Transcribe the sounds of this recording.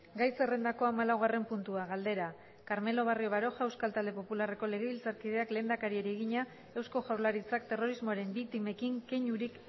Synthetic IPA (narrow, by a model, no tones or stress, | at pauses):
ɡajse̞re̞nd̪ako̞amalawɣare̞mpunt̪uaɣald̪e̞ɾa | kaɾme̞lo̞β̞ario̞β̞aɾo̞xae̞wskalt̪ald̪e̞po̞pulare̞ko̞le̞ɣ̞e̞βilt͡saɾkiðe̞akle̞ːnd̪akaɾieɾieɣ̞iɲa | e̞wsko̞ʝawɾlaɾit͡sakt̪e̞ro̞ɾizmoaɾe̞mbik̚t̪ime̞kiŋke̞ɲuɾik